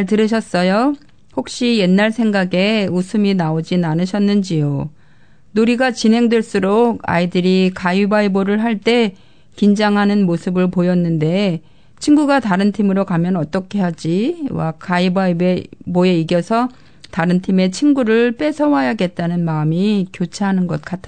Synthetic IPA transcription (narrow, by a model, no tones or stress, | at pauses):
ɭtɯɾɯɕ̬ʰʌs͈ʌjo | hok̚ɕ͈ije̞nːaɭsʰe̞ŋɡaɡe̞usʰɯminaod͡ʑinanɯɕʰʌnːɯnd͡ʑijo | noɾiɡat͡ɕinɦe̞ŋdweɭs͈uɾoka̰idɯɾikaibaiboɾɯɭɦaɭt͈e̞ | kind͡ʑaŋɦanɯnmosʰɯbɯɭpojʌnːɯnde̞ | t͡ɕʰinɡuɡataɾɯntʰimɯɾokamjʌnʌt͈ʌkʰe̞ɦad͡ʑiwa̰k͈aibaibeboe̞iɡjʌsʰʌ | taɾɯntʰime̞t͡ɕʰinɡuɾɯɭp͈e̞sʰʌwajaɡe̞t̚t͈anɯnmamikjot͡ɕʰeɦanɯnɡʌt̚k͈atʰ